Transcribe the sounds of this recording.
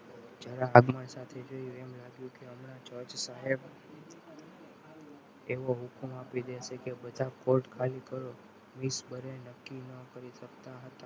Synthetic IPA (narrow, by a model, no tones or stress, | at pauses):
d͡ʒəɾaːɡməɳsat̪ʰed͡ʒoiemlaɡjũkeəmnat͡ʃət͡ʃsaɦeb | eʋoɦukumapid̪eʃekebəd̪ʱakoɾʈkʰalikəɾo | misbəɾenəkːinəkəɾit̪ʰəkt̪aɦət̪a